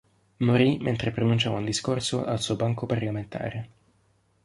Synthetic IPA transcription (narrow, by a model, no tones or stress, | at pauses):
moɾiment̪ɾepɾonunt͡ʃaːvaund̪iskorsoʔa̰lsuːobaŋkoparlament̪ʰa̰ːɾe